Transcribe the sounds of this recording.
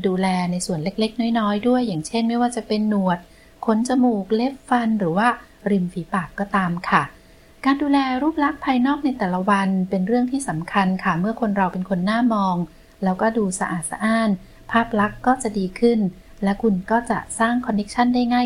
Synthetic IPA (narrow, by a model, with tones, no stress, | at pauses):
duː˧lɛː˧na˧jsu˨˩ənle˦˥k̚le˦˥k̚nɔː˥˩jnɔː˦˥jdu˥˩əjːaː˨˩ŋt͡ɕʰe˥˩nma˥˩jwaː˥˩t͡ɕa˨˩pe˧nːu˨˩ət̪̚ | kʰo˦˥nt͡ɕa˧muː˨˩k̚le˦˥p̚fa˧nɾɯː˩˦waː˥˩ | ɾi˧˩mfiː˩˦paː˨˩kːɔː˥˩t̪aː˧mkʰa˥˩ | kaː˧nduː˧lɛː˧ɾuː˥˩p̚la˦˥k̚pʰaː˧jnɔː˥˩k̚na˧jt̪ɛː˨˩la˧˦wa˧npe˧nɾɯ˥˩əŋt̪ʰiː˥˩sa˩˦mkʰa˧nkʰa˥˩mɯ˥˩əkʰo˧nɾa˧wpe˧nkʰo˧nːaː˥˩mɔː˧ŋ | lɛː˦˥wkɔː˥˩duː˧sa˧ʔa̰ː˨˩t̪̚sa̰˧ʔaː˥˩n | pʰaː˥˩p̚la˦˥kːɔː˥˩t͡ɕa˨˩ʔdiː˧kʰɯ˥˩n | lɛ˦˥wkʰu˧nkɔː˥˩t͡ɕa̰˨˩saː˥˩ŋkʰɔ˧nːe˦˥k̚t͡ɕʰa˥˩nda˥˩jŋaː˥˩